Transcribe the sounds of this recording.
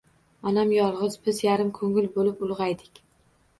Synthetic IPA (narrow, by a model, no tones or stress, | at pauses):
ɒnamjɒlˠʁɨzbɪzjaɾɪmkʰɵŋɪlbolɪpʊlˠʁɑjd̪ɪkʲ